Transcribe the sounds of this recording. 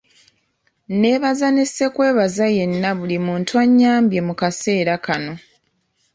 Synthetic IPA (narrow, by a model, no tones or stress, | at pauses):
ne̞ːβazanese̞kwe̞ːβazaje̞nːaβulimuːntwaɲːaːmbje̞mukase̞ːɾakano̞